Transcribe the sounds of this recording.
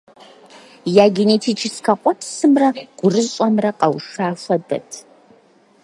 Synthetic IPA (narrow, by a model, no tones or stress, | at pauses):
jaːɡʲinetʰiːt͡ʃʰɪskʰɐqʷʼɔpʰsɨmrɐɡ̥ʷʊrɨzɕʷʼɔmrɐqʼɐwʂaːfʷɐdɐ̰tʰ